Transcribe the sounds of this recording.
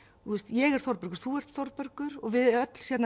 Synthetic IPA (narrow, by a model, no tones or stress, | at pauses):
θust̪jɛɣɛɾ̥θɔɾpœɾkʏɾ̥θuɛr̥t̪θɔɾpœɾkʏɾɔɣvɪðœt̪l̥sjɛt̪n